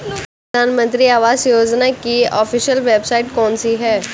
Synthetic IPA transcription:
d̪ʱaːnmə̃nt̪ɾiaːʋaːzjoːd͡ʒnakiɔːfiʃjəlʋeːbsaːɪʈkɔːnsiɦɛː

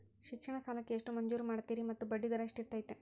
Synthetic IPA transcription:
ʃikʂɐɳɐsaːlɐkːe̞eʂʈumɐɲd͡ʒuːɾumaːɽt̪ːiːɾimɐt̪ːubɐɖːid̪ɐɾɐʂʈiɾt̪aːjit̪ːe

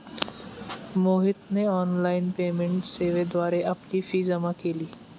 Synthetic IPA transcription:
moːɦɪt̪neɔːnlaːɪnpeːmẽɳʈseːʋed̪waːɾeʔɐpnifiːzɐmãkeliː

